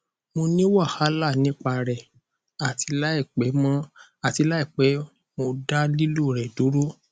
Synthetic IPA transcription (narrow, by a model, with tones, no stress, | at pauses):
mo˧nĩ˦wa˦˨ha˨˦la˦˨nĩ˨˦k͡pa˧ɾɛ˨ | a˨ti˨˧˦la˦i˦˨k͡pe˨˦mɔ̃˦a˨ti˧˦la˦i˦˨k͡pe˨˦ | mo˧da˦li˦lu˦˨ɾɛ˨du˨˦ɾo˦